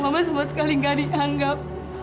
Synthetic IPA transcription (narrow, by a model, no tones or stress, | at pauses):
mamasamasə̥kaliŋɡadiʔaŋɡap̚